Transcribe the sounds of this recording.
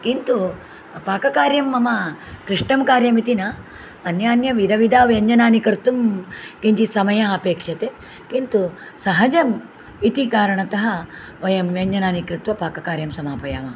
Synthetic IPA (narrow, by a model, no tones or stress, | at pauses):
kint̪u | paːkɐkaːɾjɐmːɐmɐkɾiʂʈɐmkaːɾjɐmit̪inɐ | ɐnjaːnjɐʋid̪ɐʋid̪ʱaːʋjɐɲd͡ʒɐnaːnikɾt̪ːumkiɲt͡ʃisɐmɐjɐɦɐpeːkʂɐt̪e | kint̪u | sɐɦɐd͡ʒɐm | it̪ikaːɾɐɳɐt̪ɐɦɐ | ʋɐjɐmjɐɲd͡ʒɐnaːnikɾut̪ʋɐpaːkɐkaːɾjɐmsɐmaːpɐjaːʋɐ